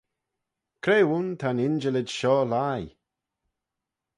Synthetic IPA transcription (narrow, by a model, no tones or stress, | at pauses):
kʰɾeːwunt̪ʰanɪnd͡ʒəlɪdʃɔːlaj